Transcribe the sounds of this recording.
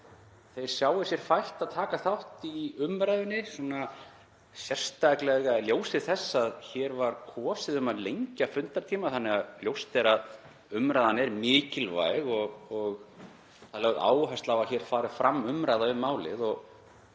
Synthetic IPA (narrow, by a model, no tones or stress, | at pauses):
θejɾ̥sjaːwɪsjɛɾ̥fajht̪aðt̪ʰaːkaθawht̪iʏmɾajðɪnːɪsɔna | sjɛr̥st̪aklɛɣaljoːwsɪðθɛsːaðçɛːɾvaɾ̥kʰɔːsɪðʏmaðlejɲcafʏnt̪aɾ̥t̪ʰiːmaθanːɛɣaðljowst̪ɛɾað | ʏmɾajðanɛɾmɪːcɪlva̰jɣɔɣɔɣ | θalɛɣða̰ːwɦast̪lavaðçɛɾ̥faːɾʏfɾamːʏmɾajðaʏmːaːwlɪ̰ðɔɣ